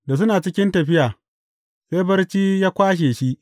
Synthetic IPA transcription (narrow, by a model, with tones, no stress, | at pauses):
da˨s̬ʊ˦naː˨t͡ʃɪ˦kʲɪ˦ntɐ˨ɸɪ˦jaː˨ | seː˦bɐ˦rt͡ʃiː˦jaː˦kʷaː˦ʃ̬eː˨ʃi˦ʔ